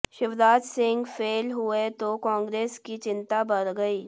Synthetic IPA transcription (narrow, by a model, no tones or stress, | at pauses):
ʃɪfd̪aːd͡ʒ̪sɪ̃ŋɡfʰeːlɦʊet̪okãːŋɡɾeːskit͡ʃɪ̃nt̪abɐɾɡɐiː